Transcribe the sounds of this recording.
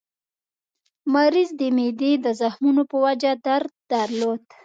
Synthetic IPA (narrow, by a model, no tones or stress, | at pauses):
maɾizd̪əmed̪ed̪əzaxmunopəwad͡ʒad̪aɾd̪d̪əɾlod̪